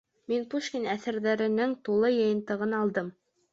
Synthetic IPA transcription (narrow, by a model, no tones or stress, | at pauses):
minpuʃkʲinæθɘ̆ɾðæɾɘ̆nɘŋt̪ulˠɤjɤ̆jɤ̆nt̪ɤ̆ʁɤnɑlˠd̪ɤm